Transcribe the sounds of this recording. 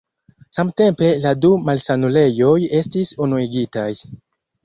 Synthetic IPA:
samte̞mpe̞ladumalsanule̞jo̞je̞stisonuiɡitaj

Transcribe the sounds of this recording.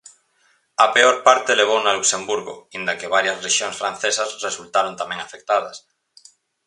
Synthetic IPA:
ɐpeoɾpaɾt̪eleβ̞ownaluksembuɾɣo̰ind̪ɐkeβaɾjɐsreʃjoŋsfɾan̟θesɐsresult̪aɾont̪amɛ̃ŋafek̚t̪aðɐs

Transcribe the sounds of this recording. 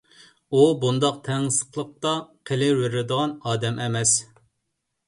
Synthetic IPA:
ubund̪ɑq̚t̪ʰɛŋsə̥qlˠəq̚t̪ɑqʰelɪwɪɾɪd̪əʁɑnɑːd̪ɛmɛmɛs

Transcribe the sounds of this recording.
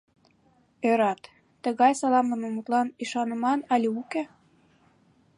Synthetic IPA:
øɾɑt̪ː | ə̆ɣɑjsɑlɑmlə̆mɤ̆mut̪lɑniʃɑnə̆mɑnɑlʲiuke

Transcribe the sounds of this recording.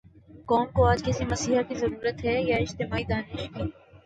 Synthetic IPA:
kɔːmkoaːd͡ʒkɪsimɐsiːɦakizɐɾuːɾət̪ɦɛjaɪd͡ʒt̪ɪmaːid̪aːnɪʃkiː

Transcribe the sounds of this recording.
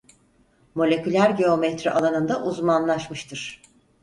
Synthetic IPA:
mo̞lʲecylʲæɾɟeo̞mɛt̪ɾiʔalˠanɯnd̪aʔuzmanlˠaʃmɯʃt̪ʰɯɾ̥

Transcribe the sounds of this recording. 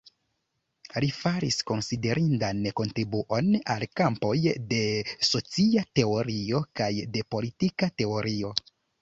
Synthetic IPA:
lifaɾisko̞nside̞ɾʔindanko̞ntɾibuʔo̞na̰lkampo̞jde̞so̞t͡siate̞o̞ɾio̞kajde̞po̞litikate̞o̞ɾʔio̞

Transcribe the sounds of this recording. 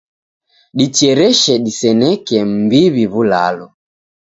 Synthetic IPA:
ɗit͡ʃɛɾɛʃɛɗisɛnɛkɛm̩biβiβula̰lɔ

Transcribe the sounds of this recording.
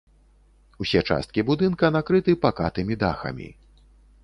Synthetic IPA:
usʲɛt͡ʂa̰st̪̚kʲibud̪ɨnkɐnakɾɨt̪ɨpakat̪ɨmʲid̪axɐ̰mʲḭ

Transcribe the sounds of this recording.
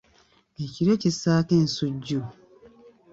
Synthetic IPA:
eciɾecisaːken̩suɟo

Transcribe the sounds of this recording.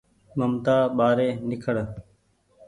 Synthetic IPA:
məmt̪aːɓaːɾeːnɪkʰəɽ

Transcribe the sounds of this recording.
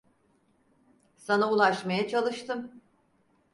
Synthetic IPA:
sanaulˠaʃmajat͡ʃʰalˠɯʃt̪ʰɯm

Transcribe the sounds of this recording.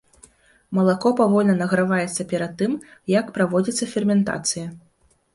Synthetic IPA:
mɐlˠakɔpavɔlʲnɐnɐɣɾavajɛt̪sːɐpʲɛɾɐd̪̚t̪ːɨmjɐkpɾavɔd͡zʲit̪sːɐfʲɛrmʲɛnt̪a̰t̪sɨjɐ

